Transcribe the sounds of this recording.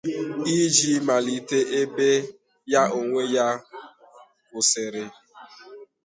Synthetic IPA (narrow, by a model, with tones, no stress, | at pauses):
i˦d͡ʒi˦ma˨li˨te˦ʔe˦be˦ | ja˦o˨ŋʷe˦ja˦ | kʊ˨sɪ˨ɾɪ˨